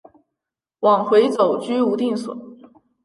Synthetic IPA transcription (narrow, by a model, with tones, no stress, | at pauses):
wɑ˨˩ŋxwe˧˥ɪt͡so˨˩ʊt͡ɕy˥u˧˥t̪i˥˩ŋswə̰˨˩˦n